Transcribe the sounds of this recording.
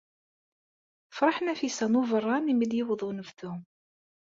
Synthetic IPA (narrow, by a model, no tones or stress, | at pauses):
fɾˤɑħənæfisænuvərˤːɑnimiljɪwðˤunəvθu